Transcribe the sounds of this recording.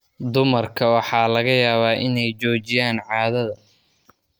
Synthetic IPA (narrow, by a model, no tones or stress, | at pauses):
d̪ʊmɐrkʰɐwɑħɑːlɐɣɐjaːβaːʔɪnɛjt͡ʃɔːt͡ʃɪjaːnʕɑːðɐðɐ